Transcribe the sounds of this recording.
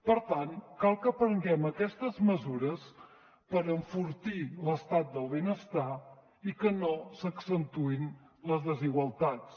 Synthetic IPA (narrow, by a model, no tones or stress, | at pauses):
pəɾt̪ankalˠkəpɾəŋɡɛməkɛst̪əzməzuɾəs | pəɾəɱfuɾt̪iləst̪at̪̚d̪əlˠβenəst̪a | ikənosəksənt̪uin | ləzðəziɣwəlˠt̪at͡s